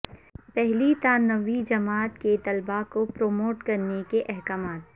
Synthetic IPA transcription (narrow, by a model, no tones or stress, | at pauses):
pɛɦlit̪aːnːəʋid͡ʒɐmaːt̪ket̪ɐlbakopɾoːmoːʈkɐɾnekeʔɛɦkaːmaːt̪̚